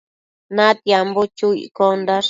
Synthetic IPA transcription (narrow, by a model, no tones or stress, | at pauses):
nãt̪jambot͡ʃuḭkond̪aɾ